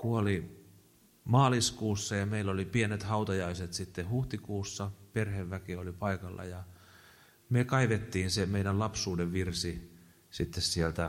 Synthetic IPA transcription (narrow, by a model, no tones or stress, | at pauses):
kuoli | mɑːliskuːsːɑjɑmeilːolipienet̪hɑut̪ɑjɑiset̪sit̪ːehuht̪ikuːsːɑperheʋʋækiolipɑikɑlːɑ̰jɑ | mekɑiʋet̪ːiːnsemeidællɑpsuːdeʋʋirsi | sit̪ːessielt̪æ